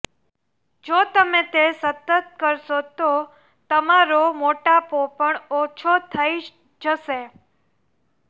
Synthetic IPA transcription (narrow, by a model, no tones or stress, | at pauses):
d͡ʒot̪əmẽt̪esət̪ət̪̚kəɾʃot̪o | t̪əmaɾomoʈapopəɳot͡ʃʰot̪ʰəi | d͡ʒəʃe